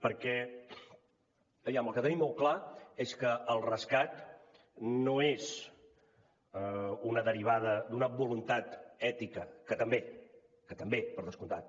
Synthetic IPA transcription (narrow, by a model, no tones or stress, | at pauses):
pəɾkɛ | əβjaməlˠkət̪ənimːolˠklaeskəəlˠrəskat̪ | noez | unəðəɾiβ̞aðəd̪unəβulunt̪at̪ɛt̪ikəkət̪əmbe | kət̪əmbepəɾðəskunt̪at̪̚